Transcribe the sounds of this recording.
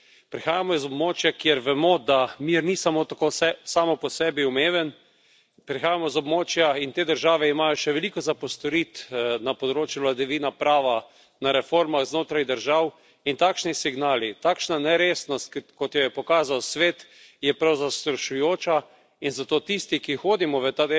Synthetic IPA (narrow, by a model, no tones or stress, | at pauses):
pɾixaːjamɔizɔbmoːt͡ʃjakjeɾʋɛmod̪amiɾnisamot̪akosɛsaːmɔpɔsɛːbiumeːʋən | pɾixaːjamɔizɔbmoːt͡ʃjaint̪eːd̪əɾʒaːʋɛimajɔʃɛʋɛlikɔzapɔst̪ɔɾit̪napɔd̪ɾoːt͡ʃjuʋlad̪ɛʋiːnapɾaːʋa | naɾɛfoɾmaxznoːt̪ɾajd̪əɾʒaw | int̪aːkʃnisiɡnaːlit̪aːkʃnanɛɾeːsnɔst̪̚kkɔt̪jɔjɛpɔkaːzawsʋeːt̪ | jɛpɾawzast̪ɾɔʃujoːt͡ʃa | inzat̪oːt̪ist̪ikixoːd̪imɔʋət̪ad̪e